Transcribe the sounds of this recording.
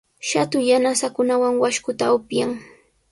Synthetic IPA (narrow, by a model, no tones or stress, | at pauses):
ʃat̪ʊjanasakʊnawaŋwaʃkʊt̪aʊpjaŋ